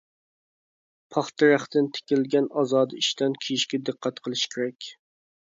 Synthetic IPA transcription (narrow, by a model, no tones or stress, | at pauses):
pʰɑχt̪ɨɾæχt̪ɪnt̪ʰe̥kʲɪlɡʲɛnɑzɑːd̪ɨiʃt̪ɛnkʲʰijiʃkʲɛd̪ɨqːæt̪qʰəlˠɨʃkʲʰeɾɛkʲ